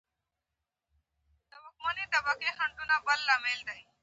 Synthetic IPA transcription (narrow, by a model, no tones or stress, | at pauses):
t̪əbəkmaːneːt̪əbəkeːɦəɳd̪ʊnãːpəlːaːmeːld̪aːiː